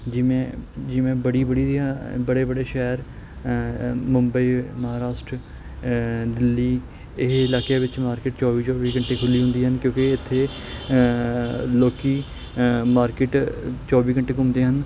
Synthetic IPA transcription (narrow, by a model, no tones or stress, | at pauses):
d͡ʒiːmɛ̃ːd͡ʒiːmɛ̃ːbəɽiːbəɽiːɾaːbəɽeːbəɽeːʃɛːɾ | mʊmbəiːməɦaːɾaːʃʈɾ | d̪ɪlːiː | ɪɦɪlaːkeːʋɪt͡ʃmaːɾkɪʈt͡ʃɔːʋiːt͡ʃɔːʋiːkəɳʈeːkʰʊliːɦʊ̃nd̪iːɦənkjõːkɪɪt̪ʰːeː | loːkiː | maːɾkɪʈt͡ʃɔːʋiːkəɳʈeːkʊmd̪eːɦən